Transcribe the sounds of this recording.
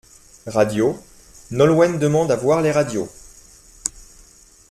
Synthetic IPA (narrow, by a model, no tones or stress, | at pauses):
ʁad̪jo | nɔlwɛnd̪əmɑ̃d̪avwaʁleʁad̪jo̰